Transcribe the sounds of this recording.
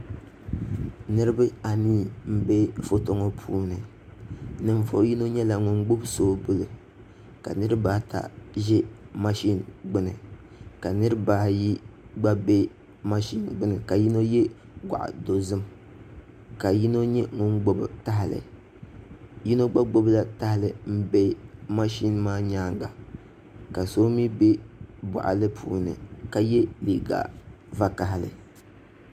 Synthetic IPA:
nɨ˦ɾɨ˦bɨ˦a˨niː˦˨m̩˦be˦fo˦to˦ŋɔ˦pʰuː˦nɨ˨ | nɨ˨ɱ˦vo̰˦ji˦no˦ɲɛ˦la˨ŋʊ˦nɡ͡bʊ˦bsoː˦bɨ˦lɨ˨ | ka̰˨nɨ˦ɾɨ˦baː˦ta̰˨ʒɛ˦ma˦ʃi˦nɡ͡bɨ˦nɨ̰˨ | ka˨nɨ˦ɾɨ˦baː˦˨ji˦ɡ͡ba˦be˦ | ma˦ʃi˦n˨ɡ͡bɨ˦nɨ˨ka˨ji˦no˦jɛ˦ | ɡʷa̰˨ʔa̰˨do˨zɨ˦m | ka˨ji˦no˦ɲɛ˦ŋʊ˦n˦ɡ͡bo˦bɨ˨ta˦ɦɪ˨lɨ̰˨ | ji˦no˦ɡ͡ba˦ɡ͡bo˦bla˦ta˦hɪ˦lɨ˨m̩˦be˦ma˦ʃi˦nmaː˦ɲaː˦ŋɡa˨ | ka˨so˦mi˦be˦bʊ̰˨ʔa̰˨lɨ˦pʰṵː˦nɨ̰˨ka˦jɛ˦li˨ɡa̰˨ | va˦ka˨ɦɪ˨lɨ̰˨

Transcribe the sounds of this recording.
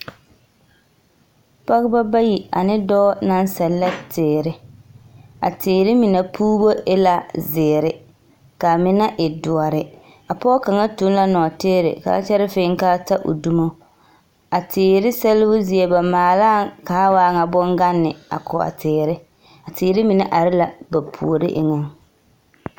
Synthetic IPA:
pa˦ɣɪ˦ba˦ba˦ji˨a̰˨nɪ˦dɔː˦na˦n˦sɛ˨lːa˦tɪː˨ɾɪ˦ | a̰˨tɪː˨ɾɪ˦mɪ˨na˨pʰuː˦bo˦ɪ˦la˦zɪː˨ɾɪ˨ | ka˨mɪ˨na˦ʔɪ˨dʊ˨a˨ɾɪ˨ | a˨pɔː˦ka˨ŋa˦tu˦n˦la˦nɔː˨teː˦ɾɪ̰˨ka̰˨˦t͡ʃɛ˦ɾɪ˦fɪː˦ŋ˦kaː˦ta˦ʔʊ̰˨du˦mo˦ | a˨tɪː˨ɾɪ˦sɛ˦lɪ˦bʊ˦zi˨e˦ba˨maː˨laː˦kaː˨˦waː˦ŋa˨bɔ˦ŋɡa˦nːɪ˨a̰˨kʰʊ˨a̰˨tʰɪː˨ɾɪ˦ | a˨tɪː˨ɾɪ˦mɪ˨na˦ʔa˨ɾɪ˦la˨ba˨pʰṵ˨o˨ɾɪ̰˦ʔɪ̰˨ŋɔ˦ŋ

